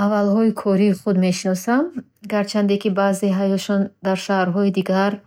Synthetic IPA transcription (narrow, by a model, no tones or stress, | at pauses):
avalhɔikʰɔɾiːχud̪me̞ʃinɔsam | ɡaɾt͡ʃʰand̪ekibaːzeɦajɔʃɔnd̪aɾʃahɾɦɔid̪iɡaɾ